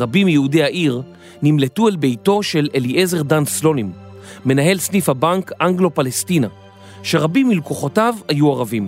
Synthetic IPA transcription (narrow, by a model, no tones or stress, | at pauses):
ʁabimjehudeaʔiʁ | nimle̞tuelbe̞jto̞ʃe̞leliʔe̞ze̞ʁdanslo̞nimː | e̞naɦe̞lsnifhabaŋkaŋɡlo̞palestina | ʃe̞ʁabimːilkoχo̞tavhajuaʁavim